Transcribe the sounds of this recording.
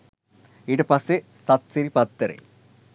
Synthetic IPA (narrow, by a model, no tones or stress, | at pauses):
iɽepɐsesɐt̪siɾipɐt̪ːɐɾḛ